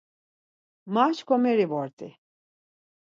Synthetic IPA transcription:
mat͡ʃkʰɔmɛɾivɔɾt̪ʰi

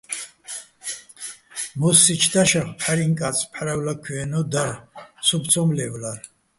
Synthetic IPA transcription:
mɔsit͡ʃʰd̪aʃaχpʰħaɾiŋkʼat͡sʰʼpʰħaɾawlakʰiɛnɔd̪aɾsupʰt͡sʰɔmlɛvla

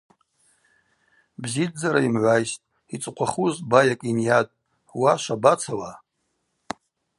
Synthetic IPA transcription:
bzidd͡zaɾaimʕʷajstʼ | it͡sʼqʷʰaχuzbajakʼinjatʼ | waʃʷabat͡sʰala

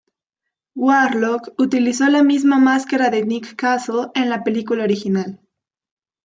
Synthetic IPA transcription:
waɾlokut̪ilisolamiz̬mamaskaɾaðenikːasoenlape̞likulaoɾixinal

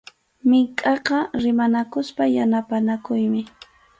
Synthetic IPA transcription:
mɪŋkʼɑqɑɾɪmanakʊspajanapanakʊjmɪ

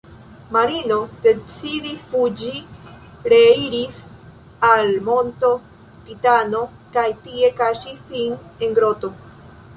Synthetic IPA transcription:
maɾino̞de̞t͡sidisfud͡ʒi | ɾe̞iɾis | almo̞nto̞ | titano̞ | kajtie̞kaʃisine̞ŋɡɾo̞to̞

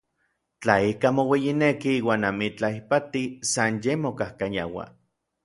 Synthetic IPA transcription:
t͡ɬaikamowejinekiiːwaːnamit͡ɬaipat̪isanjemokahkaja̰wa̰

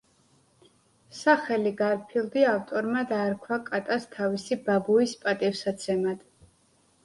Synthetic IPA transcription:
saχɛliɡaɾpʰilˠd̪iavt̪ʼɔɾmad̪aːɾkʰwakʼat̪ʼast̪ʰavisibabuispʼat̪ʼifsat̪sʰɛmad̪̥

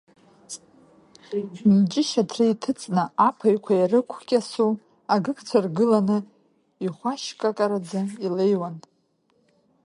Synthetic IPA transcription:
md͡ʒʼɪʃatʰrɨitʰɨt͡sʼnɨapʰajkʷʰajarɨkʷʰkʲʼasu | aɡɨkʰt͡sʷʰarɡɨlanɨ | iχʷaʃkʼakʼaɾad͡zailejwan

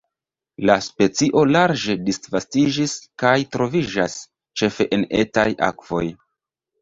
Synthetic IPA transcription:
laspe̞t͡siʔo̞laɾd͡ʒe̞disvastid͡ʒiskajtɾo̞vid͡ʒas | t͡ʃe̞fe̞ʔene̞̰taja̰kv̥o̞̰j

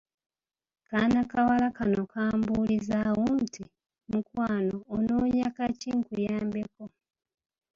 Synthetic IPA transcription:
kanakawalakano̞kʰaːmbulizawontʰi | mukwaːno̞ːnoːɲakaciŋkujaːmbeko̞

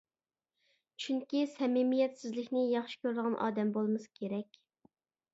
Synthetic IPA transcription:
t͡ʃʰyŋkʲisɛmɪmijɛt̪sɪzlɪkʲnɪjɑχʃi̥kʲøɾləʁɑnʔɑ̰ːd̪ɛmbolˠmɨskʲʰeɾɛkʲ

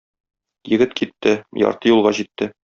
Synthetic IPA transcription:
jɘ̆ɡɘt̪kʰit̪ːɘjɒ̰ɾt̪ɤjulˠʁɑʑit̪ːɘ

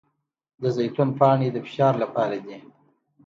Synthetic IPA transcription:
d̪əzajt̪ʊnpɑɳed̪əfɪ̥ʃɑɾlapɑɾad̪i

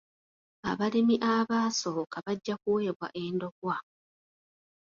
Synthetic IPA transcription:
a̰βalimiʔaβaːso̞kaβaɟːakuwe̞ːβwa̰ʔe̞ːndo̞ɡwa

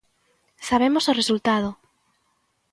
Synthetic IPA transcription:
saβ̞emosoresult̪að̞o

